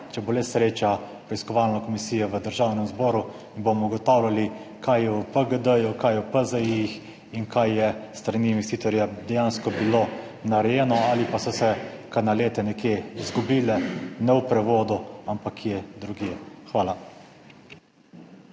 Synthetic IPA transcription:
t͡ʃɛbolɛsɾeːt͡ʃa | pɾɛiskɔʋaːlnɔkɔmisiːjɔʋəd̪əɾʒaːwnɛmzbɔːɾu | inbomɔuɡɔt̪aːwlʲali | kʰajjɛupəɡəd̪əjukajɛwpəzəjix | inkajːɛst̪ɾaniːnʋɛst̪iːt̪ɔɾjad̪ɛjaːnskɔbilo | naɾɛjɛːnɔalipasɔsɛkaɾnaleːt̪ɛnɛkjeizɡubiːlɛnɛwpɾɛʋoːd̪uampakʰːjed̪ɾuɡjexʋaːla

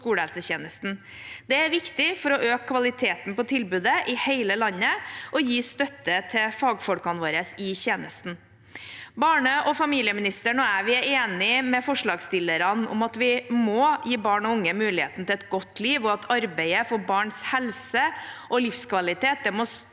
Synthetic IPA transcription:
kuːɽəhɛlsəçeːnəst̪n̩ | d̪ɛæɾʋɪkt̪ɪfɔɾɔʔøːkkːʋɑlɪt̪ʰeːt̪npɔt̪ʰɪlbʉːd̪əʔɪheɪləlɑɲːəʔɔjiːst̪œt̪ːət̪ʰɛfɑːɡfɔlkɑnʋoːɾəsɪçeːnəst̪n̩ | bɑːɳəʔɔfɑmiːlɪəmɪnɪst̪əɳɔæːʋɪæɾeːnɪmɛfɔʂɭɑːɡst̪ɪlːəɾɑnʊ̰mɑt̪ʋɪmojiːbɑːɳɔʊŋːəmʉːlɪhḛːt̪nət̪ʰɪlɛt̪ɡɔt̪ʰːliːʋɔɑt̪ʰɑɾbæɪəfɔbɑːɳshɛlsəʔɔlɪfskʋɑlɪt̪eːt̪̚d̪ɛmɔs

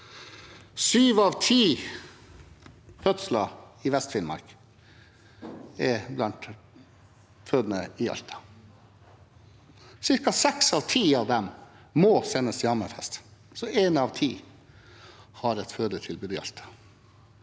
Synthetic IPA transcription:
syːʋɑʋt̪ʰiː | fœt̪slɑɪʋɛst̪fɪnmɑ̰ɾk | ɛblɑnt̪ | føːd̪nə̰ɪɑ̰lt̪ʰɑ̥ | sɪɾkɑsɛksɑʋt̪ʰiːɑʋd̪ɛm | mɔsɛnːəsjɑːməfɛst̪sɔʔeːnɑʋt̪ʰiː | hɑɾɛt̪føːd̪ət̪ʰɪlbʉːd̪ɪɑ̰lt̪ʰɑ̥

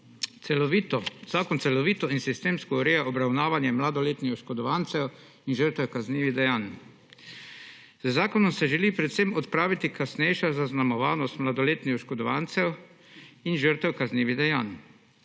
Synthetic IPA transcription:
ɛiz̥aːkɔnt̪sɛlɔʋiːt̪ɔinsist̪eːmskɔɔɾejaʔɔbɾawnaːʋanjɛmlad̪ɔleːt̪nixʃkɔd̪ɔʋaːnt̪sɛw | inʒəɾt̪ʋɛwkazniːʋid̪ɛjaːn | z̥zaːkɔnɔmsɛʒɛliːpɾɛt̪semɔt̪pɾaːʋit̪ikʰasnɛjʃazaznamɔʋaːnɔst̪mlad̪ɔleːt̪nixʃkɔd̪ɔʋant̪sɛw | inʒəɾt̪ɛwkazniːʋid̪ɛjaːn

